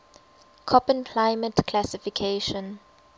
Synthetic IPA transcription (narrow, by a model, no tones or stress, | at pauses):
kʰɔpə̃nkʰlaɪmətkʰlasifikʰeʃɔ̃n